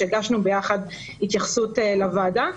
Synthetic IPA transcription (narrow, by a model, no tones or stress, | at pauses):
eɡaʃnubejaχad | hit̪jaχsutelavada